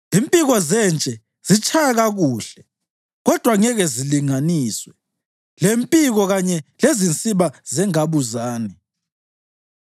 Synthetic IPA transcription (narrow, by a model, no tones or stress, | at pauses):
impʼiɣɔzɛnt͡ʃʼɛ | z̥it͡ʃʰʼajaɣaɣuːɬɛ | ɣɔd̥ʱwaŋɛɣɛziliŋaniːswɛ | lempʼiɣɔɣaɲɛlezint͡sʼiβazɛŋaβuzaːni